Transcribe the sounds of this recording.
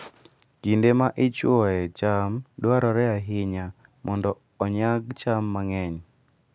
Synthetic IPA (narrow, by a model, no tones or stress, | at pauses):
ɡ̥indemaʔɪt͡ʃwɔɛt͡ʃamdwaɾɔɾɛaɦɪɲa | mʔɔndɔːɲaɡ̚t͡ʃamːaŋɛɲ